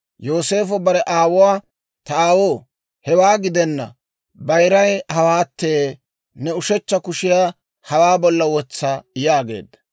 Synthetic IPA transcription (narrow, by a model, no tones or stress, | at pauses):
jo̞ːse̞ːfɔbɐɾɛʔaːwʊwaː | t̪ɐaːwoː | hɛwaːɡɪd̪ɛnːɐ̰ | bɐjɾɐjhɐwaːt̪ːeː | nɛʊʃɛt͡ʃːɐkʊʃɪjaː | hɐwaːbɔlːɐwɔt͡sːajaːɡe̞̰ːd̪ːɐ̥